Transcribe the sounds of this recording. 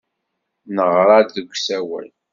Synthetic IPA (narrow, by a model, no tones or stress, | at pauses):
nəʁɾˤɑðəɡʷːsæwæ̰l